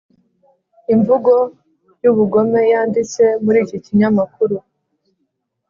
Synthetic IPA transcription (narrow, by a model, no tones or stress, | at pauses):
iɱvuɡo̞ | juβuɡo̞me̞jaːndit͡se̞muɾiːciciɲamakuɾu